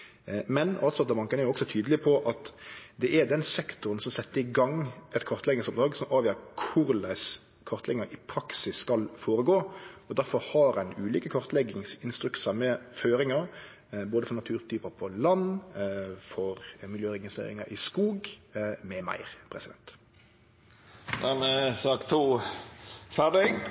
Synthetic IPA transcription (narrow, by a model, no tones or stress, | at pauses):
mɛnɑlt̪sɔɑt̪̚d̪ɛmɑŋkənɛɾjʊɔksɔt̪ʰyːd̪əlɪpʰɔʔɑt̪d̪ɛʔɛɾd̪ɛnsɛkt̪ʊɾənsɔmsɛt̪ːəɪɡɑŋɛt̪kʰɔʁt̪lɛɡɪŋsɔp̚d̪ɾɑːɡsɔmʔɑːʋjøːɾkʰʊɾlæɪs | kʰɔʁt̪lɛɡɪŋɑɪpʰɾɑksɪsːkɑlfoːɾəɡoːɔd̪æɾfɔɾhɑɾæɪnʉːliːkəkʰɔʁt̪lɛɡɪŋsɪnst̪ɾʉk̪sɑmɛføːɾɪŋɑɾ | boːd̪əfɔʁnɑt̪ʰʉːʁt̪ʰyːpəpʰɔlɑn | fɔʁmɪljøːʁɛɡɪst̪ḛːɾɪŋɑɪskuːɡmɛmæ̰ɪʁpʰɾɛsɪd̪ɛnt̪ | d̪æmɛsɑːkt̪ʰuː | fæɖɪɡ